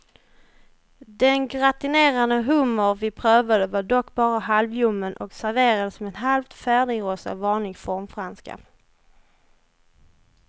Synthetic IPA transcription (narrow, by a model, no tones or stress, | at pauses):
d̪ɛnɡɾat̪ɪneːɾand̪əɦɵmːəɾvɪpʰɾøːvad̪əvaɖɔkːbɑːɾaɦalvjɵmːənʔɔksæɾveːɾad̪əsmɛːnɦalft̪fæːɖɪŋɾoːsa̰vɑːɳlɪɡfɔɾmfɾanska̰